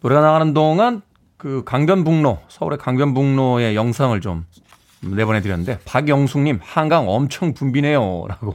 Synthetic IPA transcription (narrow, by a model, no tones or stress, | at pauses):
oɾeɡanaanɯndoŋan | kɯkaŋbjʌnbuŋnosʰʌṵɾe̞kaŋbjʌnbuŋnoe̞jʌŋsʰaŋɯɭt͡ɕom | ne̞bʌnetɯɾjʌnːɯnde̞paɡjʌŋsʰuŋɲimhanɡaŋʌmt͡ɕʰʌŋpumbine̞joɾaɡo